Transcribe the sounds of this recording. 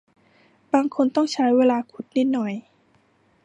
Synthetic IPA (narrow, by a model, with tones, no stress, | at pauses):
baː˧ŋkʰo˧nt̪ɔ˥˩ŋt͡ɕʰa˦˥jweː˧˨laː˧kʰu˨˩t̪̚ni˧˥˩t̪̚nɔ˨˩j